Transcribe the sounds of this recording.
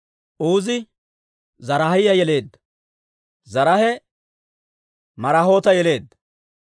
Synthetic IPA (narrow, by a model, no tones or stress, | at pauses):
ʔuːzɪ | zɐɾɐhɪjɐjɛle̞ːd̪ːɐ̥ | zɐɾɐhɛ | mɐɾaɦo̞ːt̪ɐjɛle̞ːd̪ːɐ